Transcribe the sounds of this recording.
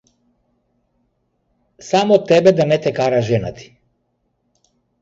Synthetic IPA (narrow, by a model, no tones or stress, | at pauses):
samɔt̪ːɛbɛd̪anɛt̪ɛkaɾaʒɛna̰t̪i̥